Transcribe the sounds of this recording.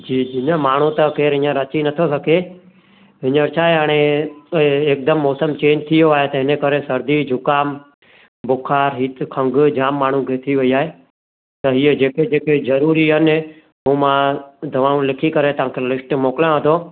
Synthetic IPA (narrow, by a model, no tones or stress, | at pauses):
d͡ʑiːd͡ʒɪɲəmaːɳ̤ũt̪ɐkeːɾɦɪ̃ɲəɾɐt͡ʃinɐt̪ʰosɐkʰe | ɦɪɲəɾt͡ʃʰaːɦeɦəɽ̃e | eːk̚d̪əmːɔːsəmt͡ɕẽːɲd͡ʒt̪ʰijoaːɦet̪ɐɦɪnekəɾesɐɾd̪id͡ʑʱʊkaːm | bʊkʰaːɾɦiːt̪kʰɐ̃ŋɡd͡ʒaːmːaːɳ̤ũkʰet̪ʰiʋɐiaːɦe | t̪ɐɦied͡ʑeːked͡ʒeːkezɐɾuːɾiɦɐnɪ | ɦũːmãd̪ʱɐʋaːũlɪkʰikɐɾet̪ɐʋ̤ãːkʰelɪsʈmoːkɪljãɦəd̪ʰʱoː